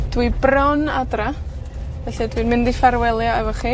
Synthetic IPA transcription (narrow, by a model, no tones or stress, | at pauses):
d̥wibrɔnadra | vɛɬidwinmɪndifaɾwɛlˠjaɛvɔχi